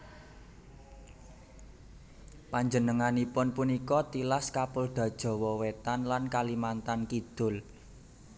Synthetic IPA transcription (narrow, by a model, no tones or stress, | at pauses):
paɲd͡ʒənəŋanipʊnpunikɔt̪ilaskapʊld̪̥a̤d̥ʒ̥ɔ̤wɔwet̪anlankalimant̪ankid̪̥ʊ̤l